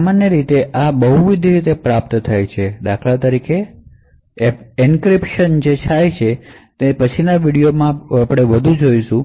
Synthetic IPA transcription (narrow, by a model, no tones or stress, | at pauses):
samanjəɾit̪eʔabəɦuʋid̪ʱiɾit̪epɾap̚t̪t̪ʰajt͡ʃʰed̪akʰlat̪əɾike | inkɾipʃənd͡ʒet͡ʃʰajt͡ʃʰet̪epət͡ʃʰinaʋiɽijomãapɽ̃eʋəd̪ʱũd͡ʒojʃũ